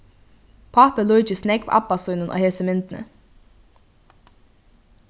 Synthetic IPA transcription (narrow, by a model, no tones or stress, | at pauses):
pʰaːpəluʏt͡ɕɪsnɛkʋʔa̰pːasuːnənʔɔ̰ːheːsəmɪnt̪nə̰